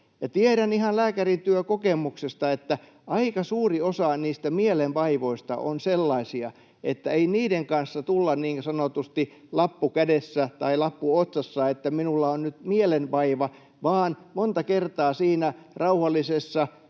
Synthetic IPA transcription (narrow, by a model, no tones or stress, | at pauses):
jɑt̪ieɾænihɑnlæːkærint̪yøkokemˑuksest̪ɑet̪ːæ | ɑikɑsuːriosɑniːst̪æmielemʋɑiʋoist̪ɑ̰ʔo̰nselːɑisiɑ | et̪ːæeiniːdeŋkɑnsːɑt̪ulːɑnniːŋsɑnot̪ust̪i | lɑpːukædesːæt̪ɑilɑpːuot̪sɑsːɑet̪ːæminulːɑonnyt̪mielemʋɑiʋɑ | ʋɑːnmont̪ɑkert̪ɑːsiːnæ | rɑuhɑlːˑisesːɑ